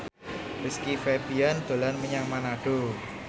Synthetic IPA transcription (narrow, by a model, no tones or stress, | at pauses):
riskifebiand̪̥o̤lanməɲaŋmanaɖ̥o